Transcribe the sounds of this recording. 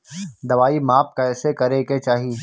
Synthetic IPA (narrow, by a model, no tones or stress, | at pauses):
d̪ɐʋaːimaːp̚kaɛːsekɐɾeket͡ʃaːɦi